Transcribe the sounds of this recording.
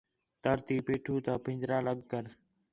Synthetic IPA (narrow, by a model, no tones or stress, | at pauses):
t̪əɾt̪iːpeːʈʰũːt̪ãːpɪ̃ɲd͡ʒɾãːləɡkəɾ